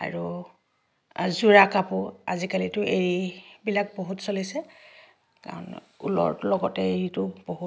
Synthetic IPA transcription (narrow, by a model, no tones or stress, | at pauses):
a̰ɹu | zuɹakapʊa̰zikalitʊʔeɹibilak̚boɦutsolisɛ | ka̰ɹɔ̰n | ulɔ̰ɹlɔɡɔtɛeɹitʊb̥oɦu